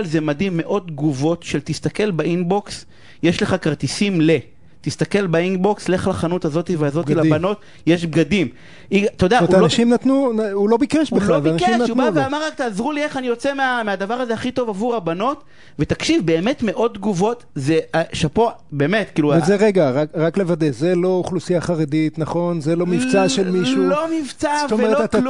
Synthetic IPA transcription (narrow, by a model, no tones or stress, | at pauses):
lzemadimːe̞ʔo̞d̪̚ɡuvo̞t̪ʃe̞lt̪ist̪ake̞lbaʔinbo̞ks | je̞ʃle̞χakaʁt̪isimle | t̪ist̪ake̞lbainbo̞ksle̞χlaχanutazo̞t̪iveazo̞tilabano̞t̪ | jeʃbɡadim | ʔiɡat̪od̪aaʃimnat̪nuulobikeʃbeloikeʃubveamaʁakt̪aːzʁulie̞χanijo̞t͡se̞meamead̪avaʁazeaχit̪o̞vavuʁabano̞t̪ | ve̞t̪akʃivbe̞ːme̞tme̞ʔo̞d̪̚tɡuvo̞tzeaʃepobeːmetkiːluezeʁeɡaʁakʁaklevad̪ezelo̞uχlusijaχaʁed̪it̪naχo̞nzelo̞mivt͡saʃelmiʃulomivt͡sast̪ovmeeaal